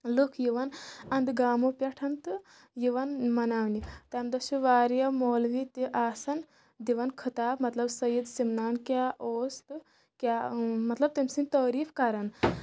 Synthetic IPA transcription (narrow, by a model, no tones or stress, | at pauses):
lokʰjiʋɐnɐnd̪ɡaːmopjɐʈʰɐnt̪ɨ | jiʋɐnmɐnaːʋnit̪amd̪ɐsuʋaːɾjɐmoːlʋit̪iʔaːsɐn | d̪iʋɐnkʰɐt̪aːbmɐt̪lɐbsɐjid̪simnaːnkʲjaːʔoːst̪ | kʲamɐt̪lɐb̚t̪emsint̪əːɾiːfkaɾɐn